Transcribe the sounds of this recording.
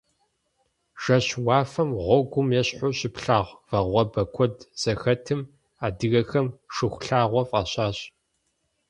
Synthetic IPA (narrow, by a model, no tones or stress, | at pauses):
ʒ̥ɐɕwɑːfɐmʁʷɔɡʷʊmjɛɕʼħʊɕɪpɬaːʁʷvɐʁʷɔbɐkʷʰɔdz̥ɐxɐtʰɨm | aːdɨɣɐxɐmʂɨxʷʊɬaːʁʷɔfʼɐɕaːɕ